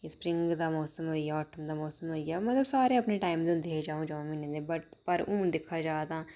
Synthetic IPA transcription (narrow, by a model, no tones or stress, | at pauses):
kespɾɪ̃ŋɡd̪aːmɔːsəmɦoːijaːɔːʈəmd̪aːmɔːsəmɦoːijaːmət̪ləbsaːɾẽːəpneːʈaːɪmd̪ẽd̪eːd͡ʒaːõːd͡ʒãːminẽːd̪eːbəʈpəɾũːd̪ɪkʰːaːd͡ʒaːd̪ãː